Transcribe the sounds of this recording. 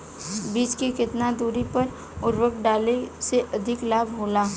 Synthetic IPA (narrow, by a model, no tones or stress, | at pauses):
biːd͡ʒkekɪt̪nad̪uːɾipɐɾ | ʊɾwəkɖaːleseʔɐd̪ʱɪklaːbɦoːlaː